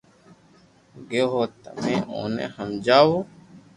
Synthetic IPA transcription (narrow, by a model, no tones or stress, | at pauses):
ɡeːɦoːt̪ɐ̰meːo̰ːnḛhɐmd͡ʒaːwo